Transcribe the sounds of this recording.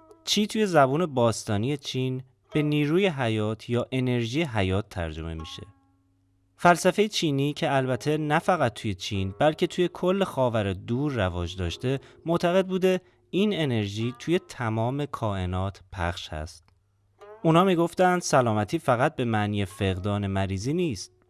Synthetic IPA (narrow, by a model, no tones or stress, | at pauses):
t͡ʃʰiːt̪ʰuːje̞zæbuːne̞bɒːst̪ɒːnije̞t͡ʃʰiːn | b̥e̞niːɾuːje̞ɦæjɒːt̪ʰjɒːʔe̞ne̞ɾʒiːjeɦæjɒːt̪ʰːæ̰ɾd͡ʒo̞̰me̞̰mḭʃe̞̰ | fælsæfe̞jet͡ʃʰiːniːcʰe̞ælbæt̪ʰe̞næfæɣæt̪̚ːʰuːje̞t͡ʃʰiːnbælcʰe̞t̪ʰuːje̞kʰo̞lːexɒːvæɾed̪uːɾːævɒːd͡ʒd̪ɒːʃt̪e̞moʔt̪ʰæɣe̞d̪̚buːd̪e̞ | ine̞ne̞ɾʒiːt̪ʰuːje̞t̪ʰæmɒːme̞kʰɒːe̞nɒːt̪ʰpʰæ̰xʃhæ̰st̪̚ | unhɒːmiːɡo̞ft̪ænd̪̥sælɒːmæt̪ʰiːfæɣæt̪̚be̞mæʔniːjefe̞ɣd̪ɒːne̞mæɾiːziːniːst̪̚